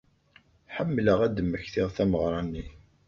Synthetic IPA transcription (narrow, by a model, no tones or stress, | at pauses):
ħəmːləʁæd̪əmːəçθɪʁθæməʁɾˤɑnːi